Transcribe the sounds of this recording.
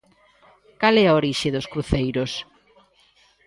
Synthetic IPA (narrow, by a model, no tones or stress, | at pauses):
kalɛaoɾiʃɪðoskɾuθejɾos